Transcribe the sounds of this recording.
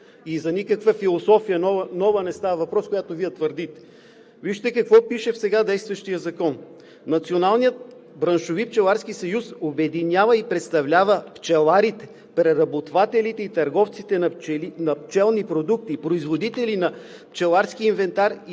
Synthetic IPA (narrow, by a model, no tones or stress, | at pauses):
izɐnikəkvəfilˠosɔfijənɔvnɔvənɛst̪avɐvɐpɾɔskojat̪oviɛt̪vəɾd̪it̪ɛ̥ | viʃt̪ɛkɐkvɔpiʃɛfsɛɡad̪ɛjst̪vɐʃt̪ijəzɐkɔnː | ɐt̪sionalˠnijət̪̚ | bɾɐnʃovip̚t͡ʃɛlˠaɾskisɐjusobɛd̪inʲavɐipɾɛt̪st̪ɐvlʲavəpt͡ʃɛlˠaɾit̪ɛ̥ | pɾɛɾɐbot̪vat̪ɛlit̪ɛit̪ɐɾɡɔft̪sit̪ɛnɛinɐp̚t͡ʃɛlˠnipɾod̪uk̚t̪ipɾoizvod̪it̪ɛlinɐ | pt͡ʃɛlˠaɾsk̟iːnvɛnt̪aɾi